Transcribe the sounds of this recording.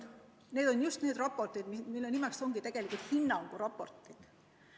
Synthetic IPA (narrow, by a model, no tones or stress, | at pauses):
ne̞ːd̪̥o̞njust̪ne̞ːd̪̥rɑpːˑo̞rt̪id̪mimilːenimɛkst̪o̞ŋɡ̥it̪e̞ɡ̥e̞likult̪hinːɑŋɡ̥uɾɑpːo̞̰rt̪ˑid̪̥